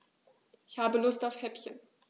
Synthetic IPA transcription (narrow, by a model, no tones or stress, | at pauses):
ɪçhaːbəlʊstaʊfhɛpçən